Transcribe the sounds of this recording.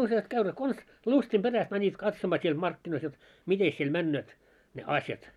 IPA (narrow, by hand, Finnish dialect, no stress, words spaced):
usjɑst kæyneːt kons lustim b̥eræst mænʲit kɑtsomɑː siel mɑrkːinois jot mites siel mænːøːt ne ɑsjɑt